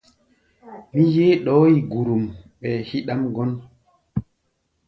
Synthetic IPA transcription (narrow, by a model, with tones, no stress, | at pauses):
mi˦jeː˦ɗɔː˦ji˨ɡu˨ɾu˨mɓɛː˨hi˦ɗa˦mɡɔ˦n